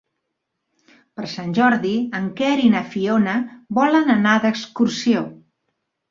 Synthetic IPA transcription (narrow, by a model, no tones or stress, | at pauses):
pəɾsanʲʒɔɾðiəŋkɛɾinəfionəbɔlənənaðəkskuɾsio